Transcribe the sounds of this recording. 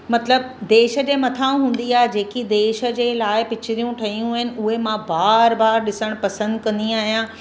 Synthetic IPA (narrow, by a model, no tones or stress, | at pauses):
mɐt̪ləb̚ | d̪eːʃə̆d͡ʑeːmɐt̪ʰaːũɦũːn̆d̪iaːɦed͡ʑeːkid̪eːʃə̆d͡ʑeːlaːɪpɪt͡ɕɪɾijũʈʰɐɦijũaɦɪnɪ̆ʊɦemãbaːɾbaːɾɗɪsəɽ̃pɐsə̃nd̪kɐ̃nd̪iaːɦijã